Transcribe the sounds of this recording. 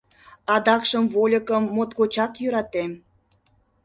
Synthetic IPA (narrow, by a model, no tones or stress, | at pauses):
ɑd̪ɑkʃəmvolʲəkəmːot̪kot͡ɕɑkjøɾɑt̪em